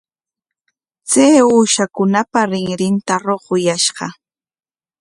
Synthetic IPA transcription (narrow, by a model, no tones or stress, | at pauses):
t͡sajuːʃakʊnapaɾɪŋɾɪnt̪aɾoqʊjaʃɢɑ